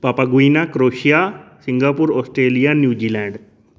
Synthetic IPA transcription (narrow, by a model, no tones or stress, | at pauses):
paːpaɡuinakɾoːʃijasɪ̃ŋɡaːpuɾɔːsʈɾeːlijanjuːd͡ʒiːlɛ̃ːɳɖ